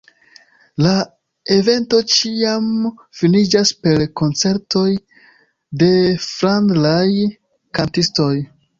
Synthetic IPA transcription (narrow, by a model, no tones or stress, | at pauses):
la | e̞ve̞nto̞t͡ʃiamfinid͡ʒaspe̞ɾko̞nt͡se̞ɾto̞j | de̞fɾandlaj | kantisto̞j